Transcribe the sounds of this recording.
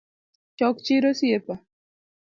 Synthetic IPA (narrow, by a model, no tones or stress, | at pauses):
t͡ʃɔkt͡ʃiɾosiepa